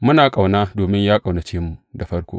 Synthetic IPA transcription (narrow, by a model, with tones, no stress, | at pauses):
mʊ˦naː˨kʼa˨wnaː˦doː˨mɪ˦ɲjaː˦kʼa˨wna˨t͡ʃeː˦mːu˨da˨ɸɐ˦rkʷo̰ː˦